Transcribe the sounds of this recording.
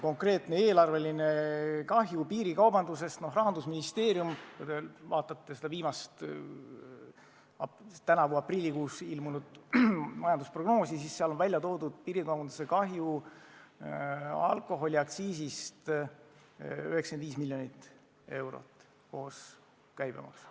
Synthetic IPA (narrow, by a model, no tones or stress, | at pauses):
ko̞ŋkre̞ːt̪ˑne̞eːlɑrve̞linekɑɦjupiːɾikɑwbɑnd̪use̞st̪no̞ɦrɑɦɑnd̪usminist̪e̞ːɾijumkujd̪evɑːt̪ːˑɑt̪ːe̞se̞d̪̥ɑviːmɑst̪ | ɑt̪ænɑvuɑprilːikuːsilmunud̪̥mɑjɑnd̪uspro̞ɡno̞ːsisisːeɑlo̞nvælʲjɑt̪o̞ːd̪ud̪̥̚piːɾikɑwbɑnd̪u̥sekɑɦju | ɑ̰lkˑo̞ɦo̞lʲiɑkt̪siːsist̪ | y̰hekskend̪viːs̬milʲːjo̞nit̪ːˑ | e̞wɾo̰t̪ːˑ | koːs | kæjb̥ḛmɑ̰ks